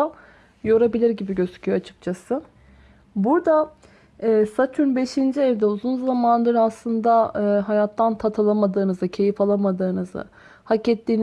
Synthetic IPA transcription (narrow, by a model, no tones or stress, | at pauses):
a | jo̞ɾabilʲiɾɟibiɟøzy̥cʰyjoat͡ʃʰɯ̥k̚t͡ʃʰasɯ | buɾd̪a | ɛːsat͡ʃʰunbe̞ʃind͡ʒiɛvd̪ɛuzunzamanlˠaɾɯaslˠɯnd̪aɯːɦajat̪ʰːant̪ʰat̪ʰalˠamad̪ɯːnɯzɯcʰe̞jifalˠamad̪ɯːnɯzɯ̰ | hacɛt̪lʲiːn